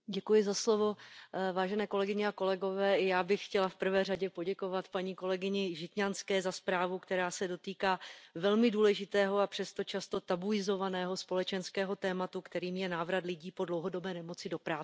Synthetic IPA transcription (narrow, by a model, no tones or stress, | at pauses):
ɟɛkujɪzaslo̞vo̞vaːʒɛnɛːko̞lɛɡɪɲɛako̞lɛɡo̞vɛːɪjaːbɪxxcɛlafpr̩vɛːraɟɛpo̞ɟɛko̞vat̪paɲiːko̞lɛɡɪɲɪʒɪt̪ɲanskɛːzaspɾaːvukt̪ɛɾaːsɛdo̞t̪iːkaːvɛlmɪduːlɛʒɪt̪ɛːɦo̞apr̝̥ɛst̪o̞t͡ʃast̪o̞t̪abuɪzo̞vanɛːɦo̞spo̞lɛt͡ʃɛnskɛːɦo̞t̪ɛːmat̪ukt̪ɛɾiːmjɛnaːvɾat̪lɪɟiːpo̞dlowɦo̞do̞bɛːnɛmo̞t͡sɪdo̞pɾaːɛ